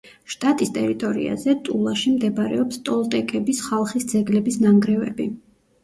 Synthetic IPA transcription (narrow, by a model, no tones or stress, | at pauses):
ʃt̪ʼat̪ʼist̪ʼɛɾit̪ʼɔɾḭa̰zɛt̪ʼulˠaʃimd̪ɛbɾɛ̰ɔpst̪ʼɔlˠt̪ʼɛkʼɛbisχalˠχisd̪zɛɡlɛbisnamɡɾɛvɛ̰bi